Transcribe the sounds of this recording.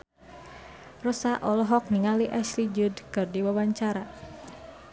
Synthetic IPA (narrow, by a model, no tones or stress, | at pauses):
rɔsaʔɔlɔɦɔk̚niŋaliʔɛslid͡ʒudkɨrdiwawaɲt͡ʃaɾa